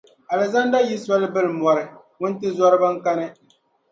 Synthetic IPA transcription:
a˨lɨ˨za˦n˦da˦ji˦sa˦lɨ˦bɨ˦lm˨ɔ˨ɾɨ˨ | ŋʊ˦n˦tɨ˦zɔ˦ɾɨ˦ba˦ŋ̩˦ka˦nɨ˦

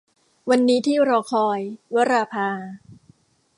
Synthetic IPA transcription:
wa˧nːiː˦˥t̪ʰiː˥˩ɾɔː˧˩kʰɔː˧jwa˦˥ɾaː˧pʰaː˧

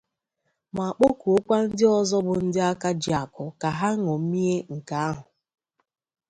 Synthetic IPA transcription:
ma˨a˨k͡po˦ku˨o˦kʷa˦n̩˦dɪ˦ɔ˦zɔ˦bʊ˨n̩˦dɪ˦a˦ka˦d͡ʒi˨a˨kʊ˨ka˨ɦa˦ŋɔ˨m̩˦mi˦e˦ŋ̩˨ka˨a˦ɦʊ˨

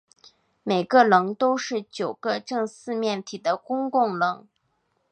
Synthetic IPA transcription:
me˨˩ɪɡə˧lɤ˧˥ŋt̪o˥ʊʂɻ̩˥˩t͡ɕjo˨˩ʊɡə˧ʈ͡ʂɤ˥˧ŋsɹ̩˥˧mjɛ˥˩nt̪ʰi˨˩d̪ə˦kʊ˥ŋkʊ˥˩ŋlɤ˧˥ŋ

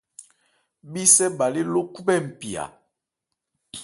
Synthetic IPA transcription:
bi˦sɛ˦ba˨li˦lo˦ku˦bɛ˦˨m̩˨pi˨a̰˨

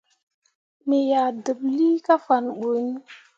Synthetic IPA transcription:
me˨ja˨də˨bli˦ka˦fa˨nɓo˨˦ni˦

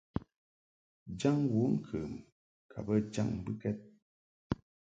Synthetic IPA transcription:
d͡ʒa˦ŋwu˨˦ŋ̩˦˨kʰəː˨m | kʰa˨bə˦d͡ʒa̰˦˨ŋm˦bɨ˦kɛ˦t̚

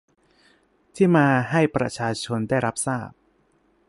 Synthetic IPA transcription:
t̪ʰiː˥˩maː˧ɦa˥˩jpɾa̰˧t͡ɕʰaː˧t͡ɕʰo˧nda˥˩jɾa˦˥p̚saː˥˩p̚

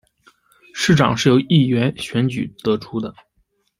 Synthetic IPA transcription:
ʂɻ̩˥˩ʈ͡ʂɑ̰˨˩ŋʂɻ̩˥˩jo˧˥ʊi˥˩ɥɛ˧˥nɕɥɛ˧˥nt͡ɕy̰˨˩t̪ɤ˧˥ʈ͡ʂʰu˥d̪ə˨

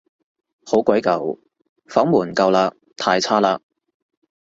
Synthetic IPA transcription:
ho˨˥wkʷɐ˨˥jkɐ˨˩w | fɐ˨˥ŋmuː˨˩nkɐ˧wlaː˧ | t̪ʰaː˧jt͡sʰaː˥laː˧k̚

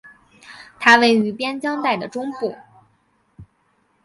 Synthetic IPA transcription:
t̪ʰa˥we˥˩ɪy˧˥pjɛ˥nt͡ɕjɑ˥ŋt̪a˥˩ɪd̪ə˩ʈ͡ʂʊ˥ŋpu˥˩

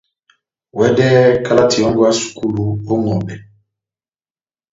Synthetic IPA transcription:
wɛ˦dɛ˦ka˦la˦ti˨jɔ˦ŋɡɔ˦a˦su̥˨ku˦lu˦o˦ŋɔ˨bɛ˨

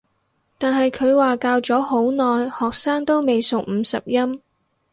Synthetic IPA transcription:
t̪aː˨nɦɐ˨jkʰɵ˨˧ɥwaː˨kaː˧wt͡sɔː˨˥ho˨˥wnɔː˨jhɔː˨k̚saː˥ŋt̪o˥wme˨jsʊ˨k̚m̩˨˧sɐ˨p̚jɐ˥m

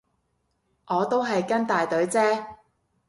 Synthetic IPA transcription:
ʔɔː˨˧t̪o˥wɦɐ˨jkɐ˥nt̪aː˨jt̪ɵ˨˥ɥt͡sɛː˥

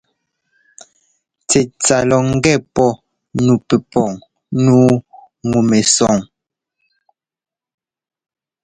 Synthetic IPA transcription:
tɛ˨t͡sa˨lɔ˨ŋ̩˦ɡɛ˦˨pɔ˦ | nu˨pe˨pɔ˨ŋ | nuː˦ | ŋu˨me˨sɔ˦˨ŋ

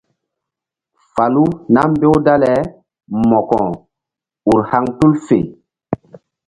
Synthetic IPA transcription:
fa˨lu˦na˦m˦be˦wda˦lɛ˨˦ | mɔ˨kɔ˨ | u˨ɾha˦ŋtu˦lfḛ˨

